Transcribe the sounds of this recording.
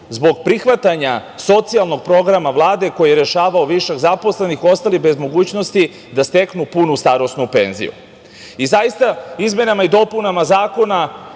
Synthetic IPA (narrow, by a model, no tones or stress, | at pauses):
zbo̞ɡ̚pɾixʋat̪aɲaso̞t̪sialˠno̞ɡ̚pɾo̞ɡɾamaʋlˠaːd̪e̞ko̞jijeɾeʃaːʋaoʋiʃeɡzapo̞sle̞nixo̞st̪alibe̞zmo̞ɡuːt͡ɕno̞st̪i | d̪ast̪e̞knupunust̪aɾo̞snupe̞̰nzḭjṵ | izajist̪aizmʲje̞namaid̪o̞punamazaːko̞na